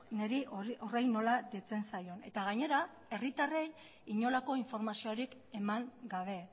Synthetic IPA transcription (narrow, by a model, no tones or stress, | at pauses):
neɾiʔoʔorejno̞lad̪et͡se̞nsajo̞ne̞t̪aɣ̞aɲe̞ɾa | e̞rit̪arej | iɲo̞lako̞iɱfo̞ɾmasioaɾik | e̞maŋɡaβ̞e̞